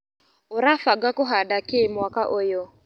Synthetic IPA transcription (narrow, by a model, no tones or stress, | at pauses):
oɾafaɡakoɦadakɪmwakaʔojo